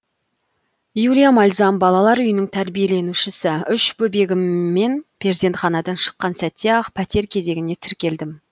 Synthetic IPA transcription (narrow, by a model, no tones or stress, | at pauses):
julʲijamɑlʲzɑmbɑlˠɑlˠɑɾʏjɪnɪŋt̪ʰæɾbije̞le̞nuʃɪsɪʏʃbɵbe̞ɡʲɪmːe̞npʰezid̪e̞nt̪χɑnɑd̪ɑnʃə̥qːɑnsæt̪ːe̞ɑqpʰæt̪e̞ɾkʲʰe̞ze̞ɡʲɪne̞t̪ʰɪɾkʲe̞ld̪ɪm